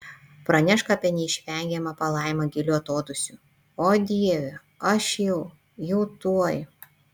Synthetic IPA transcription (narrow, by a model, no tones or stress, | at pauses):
pɾɐnʲɛʃkɐɐpʲɛnʲɛɪʃʲʋʲɛˑŋʲɡʲɛmɐpɐlˠɐˑɪmɐɡʲɪlʲuɐt̪oːd̪ʊsʲu | oːd̪ʲiɛʋʲɛ | ɐʃjɛʊ | jɛʊt̪uɔj